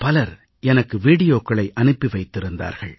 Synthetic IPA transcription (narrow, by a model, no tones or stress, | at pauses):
pɐlɐɾ | ɛnɐkːɯʋiːɽɪjoːkːɐɭɐɪʔɐnɯpːiʋɐɪt̪ːɪɾɯnd̪a̰ːɾɣɐɭ